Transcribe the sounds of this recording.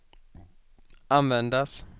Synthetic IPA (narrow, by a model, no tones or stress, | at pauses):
anvɛnd̪as